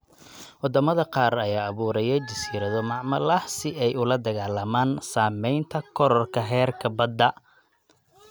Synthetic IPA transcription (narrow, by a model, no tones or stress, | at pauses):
wɑd̪ɐmɐðɐqɑːrɐjaːɐβuːɾɐjɛjt͡ʃɐsiːɾɐðɔmɑʕmɐlɐhsɪʔɛjʊlɐd̪ɐɣaːlɐmaːnsaːmɛjnt̪ʰɐkʰɔɾɔrkʰɐɦɛːrkʰɐbɐd̪ːɐ